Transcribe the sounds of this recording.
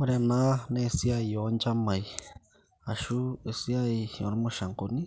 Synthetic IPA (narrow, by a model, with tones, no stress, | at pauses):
o˦ɾana˦ne˦si˦ai˨jo˨˦nt͡ʃa˦ma˨j | a˨ʃu˦e˨si˦aijo̰˨ɾi˦moʃa˨ŋkoni˦